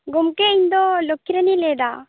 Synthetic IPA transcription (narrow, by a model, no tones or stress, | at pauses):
ɡomkeiɲd̪ɔlokʰːiɾaniled̪a